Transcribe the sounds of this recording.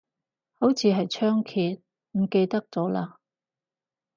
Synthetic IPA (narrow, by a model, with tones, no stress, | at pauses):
ho˨˥wt͡sʰiː˨ɦɐ˨jt͡ʃʰœː˥ŋkʰiː˧t̚ | m̩˨˩ke˧jt̪ɐ˥k̚t͡sɔː˨˥laː˧